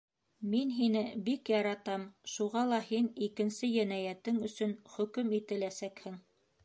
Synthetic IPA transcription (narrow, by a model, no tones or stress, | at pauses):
minɦinɘbikjɑɾɑt̪ɑmʃuʁɑlˠɑhinikɘ̆nsɘjænæjæt̪ɘŋɵ̆sɵnχɵ̆kɵmit̪ɘ̆læsækhɘŋ